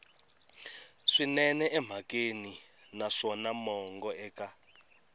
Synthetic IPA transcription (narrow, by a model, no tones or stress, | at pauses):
ʂinɛnɛʔɛm̤ʱakʼeni | naʂɔnamɔŋɡɔɛːka